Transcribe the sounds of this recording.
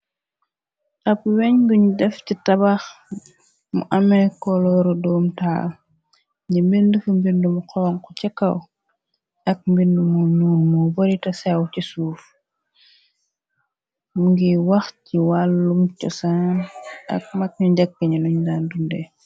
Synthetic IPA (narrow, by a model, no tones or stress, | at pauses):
ʔɐpwɛɲɡuɲudɛfcitɐbax | mṵʔɐmɛkɔlɔɾɔdɔːmta | ɲɟimbindufumbindumuqɔŋkɔcɛkːɐw | ɐk̚mbindumununmɔbɔɾitɐsɛwcisuːf | muŋɡiwɐxciwalːumcɔsanɐ̰k̚mɐk̚ɲuɟɐk̚ːəɲinuɲdaːndundɛ